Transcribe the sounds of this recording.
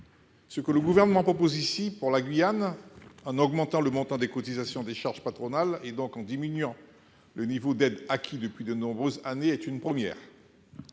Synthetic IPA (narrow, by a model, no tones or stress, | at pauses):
səkələɡuvɛʁnəmɑ̃pχɔpozisipuʁlaɡɥijanɑ̃nɔɡmɑ̃t̪ɑ̃ləmɔ̃t̪ɛ̃d̪ekɔt̪izasjɔ̃d̪eʃaʁʒpat̪χɔnaled̪ɔ̃kɑ̃d̪iminɥɑ̃ | lənivod̪ɛd̪akʰʲid̪əpɥid̪ənɔ̃bʁøzaneɛt̪ynpχəmjɛ̰ːʁ